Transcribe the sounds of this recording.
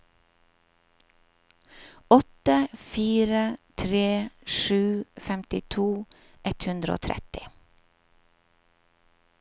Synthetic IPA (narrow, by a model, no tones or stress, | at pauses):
ɔt̪əfiːɾət̪ʰɾeːʃʉːfɛmt̪ɪt̪ʰuː | ʔɛt̪hʉnd̪ɾəo̰ːt̪ʰɾɛ̰t̪ɪ